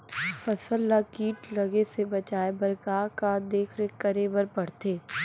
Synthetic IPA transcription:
fɐsəlːakiːʈlɐɡesebɐt͡ʃaːebɐɾkaːkad̪eːkʰɾekəɾebəɾpɐɽ̤t̪eː

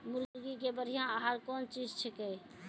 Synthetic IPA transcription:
muɾɡikebəɾ̤ijãəɦaɾkont͡ʃid͡ʒt͡ʃʰɛkəj

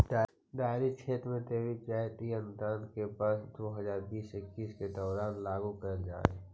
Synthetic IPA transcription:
ɖ̪aːɾit͡ʃʰeːt̪ɾmẽt̪eːʋipaːt̪iə̃nt̪ãːnt̪kepaːsd̪oɦəzaːɾbiːsɪkːiːsked̪ɔːɾaːnlaːɡukəɾd͡ʒa̰ːḛː

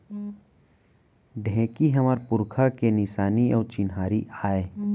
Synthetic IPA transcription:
ɖʱɛ̃ːkiɦɐmaːɾpʊɾkʰakenɪsaːniɔːɾt͡ʃɪnɦaːɾiʔaːeː

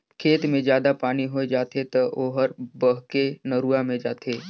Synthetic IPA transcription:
kʰeːt̪mẽd͡ʒjaːd̪apaːniɦoːed͡ʒaːt̪ʰet̪ɐʔoːɦəɾbəɦkenəɾuamẽd͡ʒaːt̪ʰeː

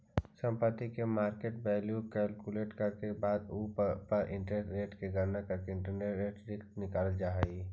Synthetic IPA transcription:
sə̃mpət̪ːikemaːɾkeːʈbɛːljukɛlkuleːʈkəɾkebaːd̪uːppəɾʔɪ̰̃ɳʈʈɾeːʈkeɡʱəɾnakəɾkeɪɳʈəneɾeːʈɾɪknɪkaːld͡ʒaːɦɛi

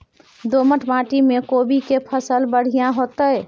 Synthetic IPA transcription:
d̪oməʈʰmãʈimekobikepʰəsəlbəɽ̤ijãɦot̪əj

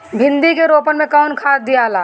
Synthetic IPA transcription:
bʱɪ̃nd̪ikeɾopənmẽkawnkʰad̪ijalaː

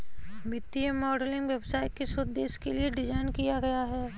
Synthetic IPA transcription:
bɪt̪ːiemɔːɖəlɪ̃ŋɡʋebsaːɪʈ̪̚kesʊd̪̚d̪eːʃkelieɖɪd͡ʒaːɪnkijaɡɐjaɦɛː

